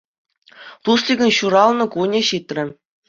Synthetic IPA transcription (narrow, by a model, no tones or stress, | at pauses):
t̪uslʲiɡʲɤ̆nɕuɾɑlˠnɤ̆kunʲĕɕit̪ʲrʲɘ̆